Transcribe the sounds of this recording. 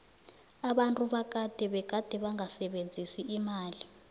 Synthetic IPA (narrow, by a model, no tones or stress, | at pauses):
aɓantʼuɓak̬ʼad̥ʱɛɓɛɡ̥ʱad̥ʱɛɓaŋasɛɓend͡zʱisiʔːmaːli